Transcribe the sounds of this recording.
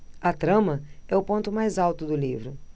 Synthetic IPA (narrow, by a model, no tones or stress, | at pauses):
ɐt̪ɾɐ̃mɐɛʊpõnt̪ʊmajzawt̪ʊd̪ʊlivɾʊ